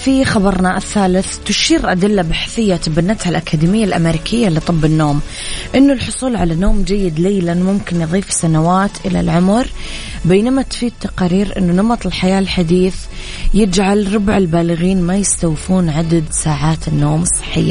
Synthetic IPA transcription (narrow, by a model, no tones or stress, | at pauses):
fixabɑɾˤnaʔɪθːaːlɪθt̪ʊʃiːɾʔad̪ɪlːabaħθɪjːat̪abanːat̪halʔakaːd̪iːmɪjːalʔa̰meɾiːkʰɪjːalit̪ˤɨbːɪnːoːm | ʔɪnːʊlħʊsˤuːlʕalanoːmd͡ʒajːɪd̪leːlanmʊmkɪnjðˤiːfsanawaːt̪ʔɪla̰lʕʊmɾ | beːnamat̪fiːd̪̚t̪ːaqɑːɾiːɾʔɪ̰nːunɑmɑt̪ˤɪlħajaːlħad̪iːθ | jɪd͡ʒʕalɾˤʊbʕɪlbaːlɪɣiːnmajɪst̪awfuːnʕad̪ad̪saːʕaːt̪ɪnːoːmɨsˤːɨ̥ħːɪ̰jːa